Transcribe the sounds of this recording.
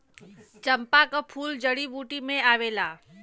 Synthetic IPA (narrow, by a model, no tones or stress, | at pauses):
t͡ʃəmpakapʰuːld͡ʒəɽibuːʈimẽaːʋeːlaː